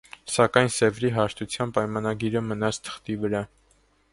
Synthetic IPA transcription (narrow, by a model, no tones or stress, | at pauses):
sɑkɑjnsɛvɾiɦɑʃt̪ʰut͡sʰjɑnpɑjmɑnɑɡiɾəmənɑt͡sʰt̪ʰə̥χt̪ivəɾɑ